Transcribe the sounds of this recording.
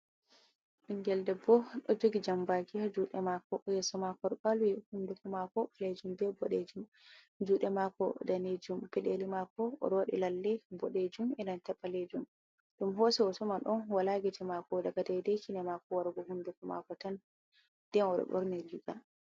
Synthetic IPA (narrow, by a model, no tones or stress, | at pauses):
ʔiŋɡɛldɛbɔɗɔd͡ʒoɡid͡ʒambakiad͡ʒuɗɛmakɔjɛsɔmakɔɗbalwihundukɔmakɔled͡ʒumbɛbɔɗed͡ʒum | d͡ʒuːɗɛmakɔ̰daned͡ʒumpɛɗelimakɔ̰ːɗɔwaɗḭlalːɛbɔɗed͡ʒumɛnantɛpːaled͡ʒum | ɗumɦɔsɛɔsɔmanɗɔnwalaɡid͡ʒɛmakɔdaɡadɛdɛkinɛmakɔwaɾɡɔhundukɔma̰kɔtan | d̥ɛnɔɗɔ̰ɓɔ̰ɾnɛd͡ʒuɡa